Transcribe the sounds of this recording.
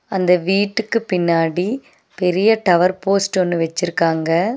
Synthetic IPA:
ɐnd̪ɐʋiːʈːɯkːɯpɪnːaːɽi | pɛɾɪjɐt̪ɐʋɐɾpoːsʈɔnːɯʋɛt͡ʃːɪɾɯkːaːŋɡɐ

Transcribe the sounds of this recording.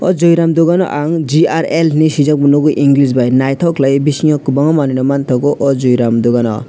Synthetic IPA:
ʌ̰d͡zojɾamd̪oɡanʌ̰ʔaŋd͡ziaɾelnisid͡zʌk̚bunukuʔiŋɡlisbajnajt̪ʰɔklajbisiŋʌkbʌŋʌmanenʌmant̪ʰʌkoʔɔd͡zujɾamd̪oɡanʌ̰

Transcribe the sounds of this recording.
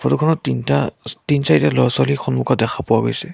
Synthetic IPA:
fʰɔtɔkʰɔnɔintatinsaitɛlɔjswalixʰɔnmukɔt̚dɛxʰapʊwaɡojsɛ

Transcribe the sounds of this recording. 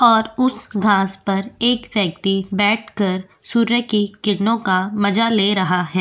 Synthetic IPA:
ɔːɾʊsɡʱãːspɐɾeːkʋjɐk̚t̪ibɛːʈʰkɐɾ | suːɾəkikɪʈnõkamɐd͡ʒaleːɾɐɦaɦɛː

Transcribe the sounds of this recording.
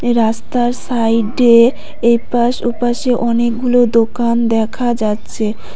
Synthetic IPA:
ɾast̪aɾsajɖe | ejpaʃupaʃeʔɔnekɡulod̪okand̪ɛkʰad͡ʑatːɕʰe

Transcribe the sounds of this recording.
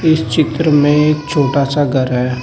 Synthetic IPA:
ɪst͡ʃɪt̪ɾəmẽeːk̚t͡ʃʰoːʈaːsaɡʱəɾɦɛː

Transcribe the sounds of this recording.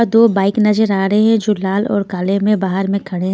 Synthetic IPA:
d̪oːbaːɪknɐzəɾaːɾɐɦeɦɛ̃d͡ʒoːlaːlɔ̰ːɾkaːlemẽbaːɦəɾmẽkʰɐɽe

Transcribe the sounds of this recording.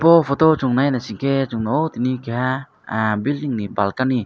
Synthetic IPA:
pɔfɔt̪ot͡ʃuŋnajnasiŋket͡ʃuŋnowt̪inikeɦa | bilniŋnibalkani

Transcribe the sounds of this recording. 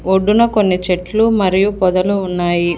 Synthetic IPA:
oɖːunɐko̞nːit͡ʃeʈlumɐɾijupɔd̪ɐluːnːaːji

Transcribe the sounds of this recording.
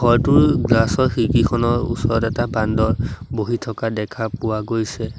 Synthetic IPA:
ɡɔɹtʊɹɡlasɔɹxikikʰɔnɔɹṵsɔɹɔtɛtabandɔɹboɦitʰɔkadɛkʰapʊwaɡojsɛ

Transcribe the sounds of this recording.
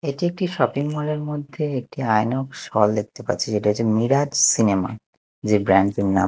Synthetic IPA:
eʈiek̚ʈiʃɔpiŋmoleɾmod̪ʱːeek̚ʈiajnɔkʃɔld̪ek̚t̪epa̰tːt͡ɕʰeʃeʈiɦot͡ɕʰemiɾad͡ʑsinema̰ | d͡ʑebɾaɳɖina̰

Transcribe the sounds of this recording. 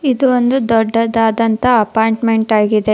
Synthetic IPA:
id̪uond̪ud̪ɔɖːɐd̪aːd̪ɐnt̪ɐɐpaːjɳʈme̞ɳʈaːɡid̪e̞

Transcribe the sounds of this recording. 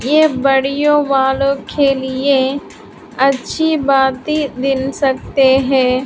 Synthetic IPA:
jebɐɽijõʋaːlõkʰelɪe | ɐtːʃʰibaːt̪ɦid̪ɪnsɐk̚t̪eɦɛ̃ː

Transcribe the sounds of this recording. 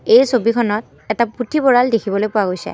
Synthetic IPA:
ejsobikʰɔnɔt̚ | ɛtaputʰibɔɹaldekʰibɔlojpʊwaɡojsɛ̰

